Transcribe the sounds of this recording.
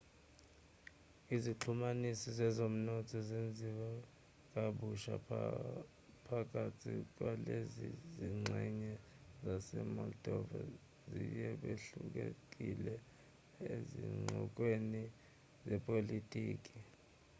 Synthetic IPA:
iziǁʰumanisɔzɛzom̩nɔtʰɔzend͡zʱiwa | k̬ʼaɓuʃa̰ | pʰak̬ʼatʰik̬waleziziŋ͡ǀɛɲɛ | zasɛmɔldɔva̰ | zḭjɛɓeɬṵk̬ɛḛk̬ʼilɛ | eziŋ͡ǀɔ̰k̬weni | zɛpʼolitʼiːk̬ʼi

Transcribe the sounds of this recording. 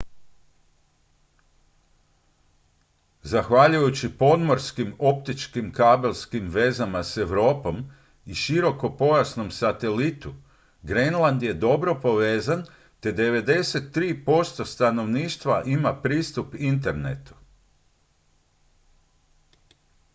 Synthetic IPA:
zaxʋaʎujut͡ɕipo̞d̪mo̞ɾskimo̞p̚t̪it͡ʃkimkaːbe̞lʲskimʋe̞zamase̞ʋɾo̞ːpo̞m | iʃiɾo̞ko̞po̞jasno̞msat̪e̞lit̪u | ɡɾenlˠand̪je̞d̪o̞bɾo̞po̞ʋe̞ːzan | t̪e̞d̪e̞ʋe̞d̪e̞se̞t̪ːɾiːpo̞st̪o̞st̪ano̞ʋniːʃt̪ʋaʔimapɾiːst̪upint̪̬e̞ɾnḛt̪u̥

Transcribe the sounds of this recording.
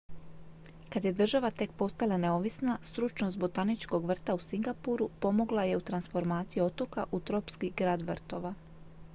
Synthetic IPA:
kad̪je̞d̪r̩ʒaʋat̪e̞kpo̞st̪alane̞oʋisnast̪ɾut͡ʃnosbot̪anit͡ʃko̞ɡʋr̩t̪ausiŋɡapuɾupo̞mo̞ɡlˠaje̞ut̪ɾansfo̞ɾmaːt̪sijio̞t̪o̞kaʔut̪ɾo̞pskiɡɾaːd̪ʋr̩t̪o̞ʋa

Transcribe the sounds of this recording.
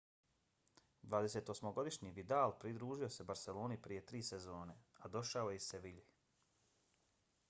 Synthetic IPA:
d̪ʋaːd̪eseːt̪o̞smoɡo̞d̪iʃɲiʋid̪alpɾid̪ɾuːʒio̞sebaɾse̞lo̞ːnipɾije̞t̪ɾiːsezoːnead̪o̞ʃaojeseʋiʎi

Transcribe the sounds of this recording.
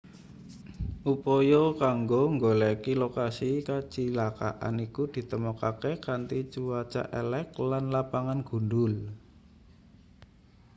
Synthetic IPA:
ʔupɔjokaŋɡoŋɡolɛkilokasikat͡ʃilaka̰ʔa̰nikud̪̥i̤t̪əmɔkakekant̪it͡ʃuwat͡ʃa̰ʔɛlɛklanlapaŋanɡ̥ṳnɖʊl

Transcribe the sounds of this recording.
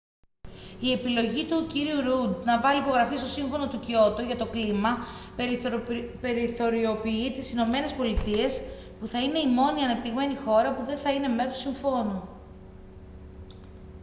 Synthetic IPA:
ie̞pilo̞ʝit̪uciɾiuɾud̪nɐvɐlipo̞ɣɾɐfist̪o̞siɱfo̞no̞t̪ucio̞t̪uʝɐt̪o̞klimɐ | pe̞ɾiθo̞ɾio̞piit̪isino̞me̞ne̞spo̞lit̪ie̞s | puθɐine̞imo̞niɐnɐpt̪iɣme̞nixo̞ɾɐpuðe̞nθɐine̞me̞ɾosiɱfo̞nu

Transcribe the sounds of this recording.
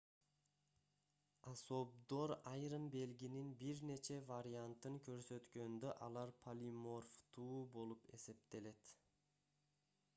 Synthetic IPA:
aso̞b̚d̪o̞ɾɑjɾɯnbe̞lɡʲininbiɾne̞t͡ʃe̞vaɾʲiant̪ɯŋkʲʰø̞ɾsø̞t̪kø̞nd̪øʔɑlˠɑɾpʰalʲimo̞rft̪ʰuːbo̞lˠupe̞̰se̞p̚t̪e̞le̞t̪

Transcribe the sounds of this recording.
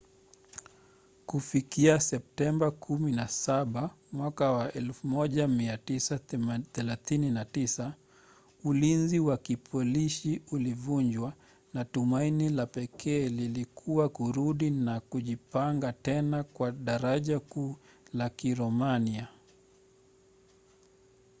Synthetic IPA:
kufikiasɛp̚tɛmbakʰuminasaɓa | mwakawaʔɛlfumɔʄamiatisaθɛlaθininatisa | ulinziwakipʰɔliʃiulivuɲd͡ʒwa | natumainilapɛkʰɛːlilikʰuwakuɾuɗinakuʄipaŋɡatɛnakwaɗaɾaʄakuː | lakiɾɔmania

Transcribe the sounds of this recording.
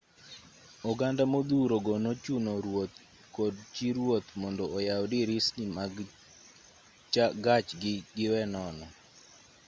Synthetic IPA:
ɔɡandamod̪uɾoɡɔnot͡ʃunoɾwot̪̚ | kɔdt͡ʃiɾwot̪mɔndɔːjaɔdiɾisnimaɡ | t͡ʃaɡat͡ʃɡɪɡɪwɛnɔnɔ

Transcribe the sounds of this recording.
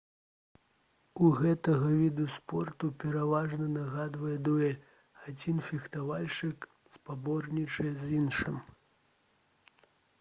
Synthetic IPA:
uɣɛt̪ɐɣɐvʲid̪uspɔrt̪upʲɛɾavaʐnɐnaɣad̪vɐjɛd̪ujɛ | ad͡zʲinfʲixt̪avalʲt͡ʂɨk | spabɔrnʲit͡ʂɨɛzinʂɨm

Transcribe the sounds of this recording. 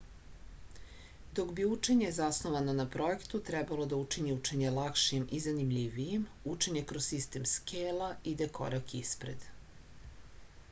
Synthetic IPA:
d̪o̞kbiut͡ʂe̞ɲe̞zasnoʋanonapɾo̞e̞kt̪ut̪ɾɛbalo̞d̪aut͡ʂiɲiut͡ʂe̞ɲe̞lakʃimʔizanimʎʲiʋijem | ut͡ʂeɲe̞kɾossist̪emskʰeːlaid̪ekʰo̞̰ɾakispɾe̞d̪

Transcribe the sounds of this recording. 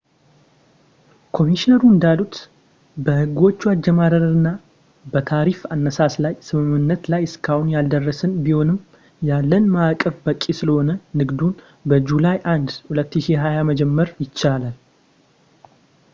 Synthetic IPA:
kʰo̞miʃinəɾuɨnd̪alut̪ | bəhɨɡo̞t͡ʃːuad͡ʒːɛmaɾəɾɾɨnːa | bət̪ʰaɾifanːəsaslajsɨmɨmɨnːət̪lajɨskʰahunjald̪ərːəsɨnbiho̞nɨm | jalːənmakʼːəfbəkʼːisɨləho̞nənɨɡd̪un | bəd͡ʒulajʔand̪hulət̪ːɨʃiɦajaməd͡ʒɛmːəɾjɪt͡ʃːalal

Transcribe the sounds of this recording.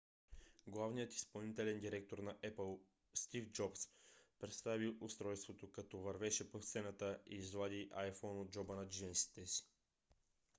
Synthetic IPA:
ɡlˠavnijət̪i̥spɐlˠnit̪ɛlɛnd̪iɾɛk̚t̪oɾnɐʔɛpəlˠ | st̪ifd͡ʒɔpspɾɛt̪st̪aviʔʊst̪ɾɔjst̪vot̪okɐt̪ɔvɐɾvɛʃɛpot̪sɛnət̪əiːzlˠad̪iʔajfɔnod̪̚d͡ʒɔbənɐd͡ʒinsi̥t̪ɛsi̥

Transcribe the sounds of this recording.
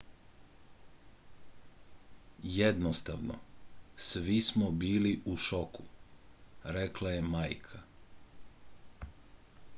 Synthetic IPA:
jed̪nost̪aʋno̰sʋismobiːliʔuʃoku | ɾeklaje̞majkʰa

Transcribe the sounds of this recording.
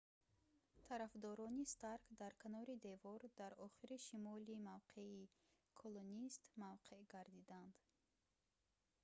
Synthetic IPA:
t̪ʰaɾafd̪ɔɾɔnist̪aɾkd̪aɾkʰanɔɾid̪e̞vɔɾd̪aɾɔχiɾiʃimɔlimavqʰe̞i | kʰolonist̪mavqʰe̞ʔɡaɾd̪id̪and̪̥

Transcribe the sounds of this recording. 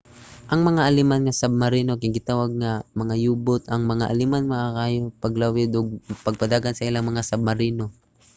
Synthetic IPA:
ʔɐŋmɐŋaʔɐlɪmanŋasab̚mɐɾiːno̞kɪɡɪt̪aːwaɡ̚ŋamɐŋajuːbʊt̪ɐŋmɐŋaʔalɪmanmɐʔakaːjopɐɡlawɪd̪oɡ̚pɐɡ̚pɐd̪aːɡansɐʔɪlaŋmɐŋasɐb̚mɐɾiːno̞

